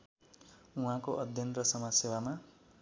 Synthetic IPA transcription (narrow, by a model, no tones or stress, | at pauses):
uɦãkoʔʌd̪ʱjʌnrʌsʌmasewama